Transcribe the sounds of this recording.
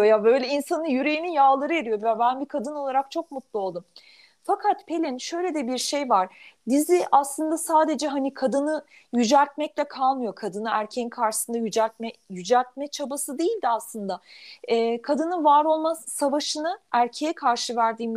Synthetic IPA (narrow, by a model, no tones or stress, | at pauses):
jabø̞jlʲɛinsanɯnjyɾejinijaːlˠaɾɯeɾijovɛbænbikʰad̪ɯno̞lˠaɾak̚t͡ʃʰo̞k̚mut̪lˠuo̞lˠd̪um | fakʰat̪pʰe̞lʲɛnʃø̞jlʲed̪ɛbiɾʃe̞jvaɾ̥d̪iziʔaslˠɯnd̪asaːd̪e̞d͡ʒɛɦanikʰad̪ɯnɯ | jyd͡ʒælʲt̪̚mɛc̚lʲɛkʰalˠmɯjo̞kʰad̪ɯnɯæɾcʰeninkʰaɾʃɯ̥sɯnd̪ajyd͡ʒælʲt̪̚mɛjyd͡ʒælʲt̪̚mɛt͡ʃʰabasɯd̪e̞jilʲd̪iaslˠɯnd̪aɛkʰad̪ɯnɯnvaːɾo̞lˠmazsavaʃɯnɯæɾcʰe̞jɛkʰaɾʃɯvæɾd̪iːm